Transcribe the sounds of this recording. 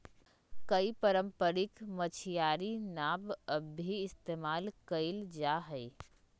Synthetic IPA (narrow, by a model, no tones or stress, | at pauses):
kəipəɾəmpəɾɪkmət͡ʃʰijaɾinabəbʱiɪst̪eːmaːlkəld͡ʒaɦəɪ